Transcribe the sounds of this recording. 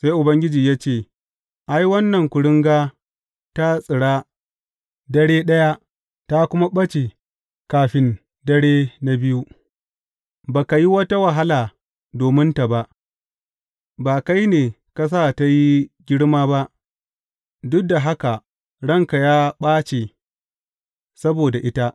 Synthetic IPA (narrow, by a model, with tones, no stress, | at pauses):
sa˦jʔʊ˨bɐ˦ŋɡʲɪ˦d͡ʒiː˨jaː˦t͡ʃeː˦˨ | ʔa˦jwɐ˦nːɐ˨ŋkʷʊ˨ɽɪ˦ŋɡaː˦ | ta˦sʼɪ˨ɽaː˦ | dɐ˦ɽeː˦ɗɐ˦ja˦ | ta˦kʷʊ˦ma˦ɓɐ˦t͡ʃe˨ | kaː˨ɸɪ˦n | dɐ˦ɽeː˦na˦bɪ˦ju˦ | baː˨ka˨ji˦wɐ˦ta˦wa˨ɦa˦laː˨ | doː˨mɪ˦nta˨ba˦ʔ | baː˨ka˦jneː˨ | ka˨s̬aː˦˨ta˦ji˦ɡʲɪ˦ɽmaː˦ba˦ʔ | dʊ˦da˨ɦa˦ka˨ | ɽɐ˦ŋka˨jaː˦ɓaː˦t͡ʃeː˨ | sɐ˦boː˨da˨ʔɪ˦ta˦ʔ